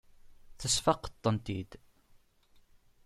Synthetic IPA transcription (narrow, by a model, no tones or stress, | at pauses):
θəsfɑqə̥t̪ˤːənt̪id̪